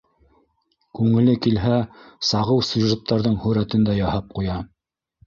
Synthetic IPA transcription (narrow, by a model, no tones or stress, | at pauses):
kʉŋɘ̆lɘkilɦæsɑʁɤwsʲuʒet̪ːɑɾðɤɴhɵ̆ɾæt̪ɘ̆nd̪æjɑhɑp̚qujɑ